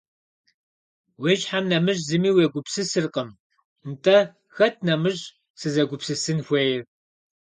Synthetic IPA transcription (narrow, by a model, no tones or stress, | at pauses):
weʒħamnɐmɨʒzɨmiːweɡʷʊpsɨsɨrqʼəm | ntʼɐ | xɐtʰnɐmɨʑ | sɨzɐɡʷʊpsɨsɨnxʷejɛr